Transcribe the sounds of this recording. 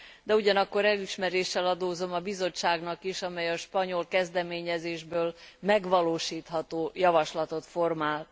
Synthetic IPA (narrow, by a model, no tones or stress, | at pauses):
d̪ɛuɟɒnɒkːo̞ɾɛliʃmɛɾeːʃːɛlɒd̪oːzo̞mɒbizo̞t͡ʃːaːɡnɒkiʃɒmɛjɒʃpɒɲo̞lkɛzd̪ɛmeːɲɛzeːʒbøːlmɛɡʋɒloːʃiːt̪hɒt̪oːjɒvɒʃlɒt̪o̞t̪fo̞rmaːlt̪